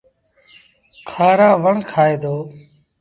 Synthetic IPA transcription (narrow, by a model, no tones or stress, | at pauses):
kʰaːɾaːʋəɳkʰaːeːd̪oː